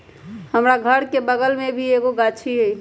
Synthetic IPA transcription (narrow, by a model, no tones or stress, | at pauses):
həmɾaɡʱəɾkebəɡəlmebʱieɡoɡat͡ʃʰiɦəj